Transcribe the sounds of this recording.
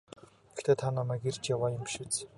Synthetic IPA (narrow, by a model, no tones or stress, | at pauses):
xt̪ʰeːt̪ʰanamæːɡirt͡ɕjawaːjʊmʃit͡s